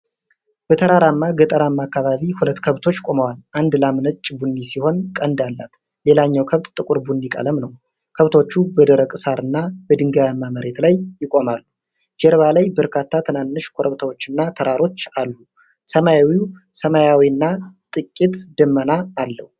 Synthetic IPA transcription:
b̥ət̪ʰəɾaɾamːaɡət̪ʼəɾamːakːaβaβihulət̪ːkʰəβt̪ʰot͡ʃːkʼo̞məwalʔand̪lamnət͡ʃʼːbunːisiho̞nkʼənd̪alːa̰t̪ | le̞laɲːawkʰəβt̪ʼt̪ʼɨkʼuɾbundikʼə̰ləmnəw | kʰəβt̪ʰo̞t͡ʃːubəd̪əɾəkʼɨsaɾɨnːabəd̪ɨŋɡəjamːaməɾe̞t̪lajːɪkʼo̞malːu | d͡ʒɛɾβalajbəɾkʰat̪ʰːat̪ʰənanːɨʃkʰo̞ɾʔəβt̪ʰawo̞t͡ʃːɨnːat̪ʰəɾaɾo̞t͡ʃːalːu | səmajawiusəmajawiɨnːat̪ʼɨkʼːit̪d̪əmːənaːlːəhu

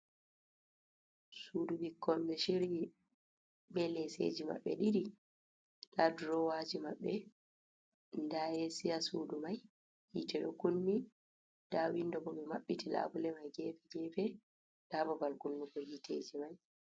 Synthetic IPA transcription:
suːdubikʰːɔnbɛʃiɾi | bɛlɛsḛd͡ʒima̰ɓːɛ̰ɗiɾi | laduɾɔwad͡ʒimaɓːɛ | ndaɛsijasuːdumaj | hḭtɛɗɔkunmi | d̥awindɔbɔmɛmaɓːitila̰bulɛmajɡɛfɛɡɛfɛ | dabɔbalkunːukɔhitʰḛd͡ʒimaj

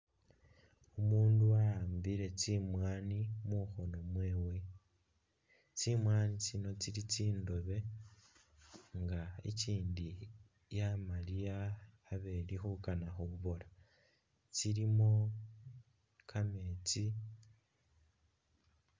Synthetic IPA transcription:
omuːnduaaːmbiɾe̞t͡simwaːnimuxo̞no̞mwe̞ːwe | t͡simwaːnit͡sino̞t͡siɾit͡siːndo̞βe̞ | ŋɡaḛciːndi | jamaliaː | βe̞lixukanaxoβuβo̞la | t͡siɾimo̞ | kʰame̞ːt͡si

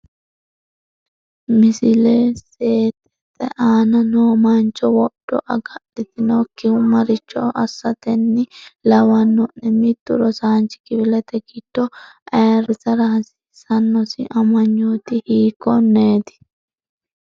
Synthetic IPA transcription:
mɪsɪleːseːt̪ɛ̥t̪ʼːɛ̰ʔaːnɐnoːmant͡ʃːɔwɔd̥ːɔ̰ʔɐɡɐɗɪt̪ɪnɔkːɪhʊmɐɾɪt͡ʃːɔʔɐsːɐt̪ɛnːɪlɐwɐnːɔʔɛmɪt̪ːʊɾɔsaːnt͡ʃɪ̥kɪbɪlɛt̪ɛɡɪd̪̥ːɔʔɐɾɪzɐɾɐhɐsɪ̥ | sɐnːɔsɪ̰ʔɐmɐɲːut̪ɪhiːkːɔnːeːt̪ɪ̥

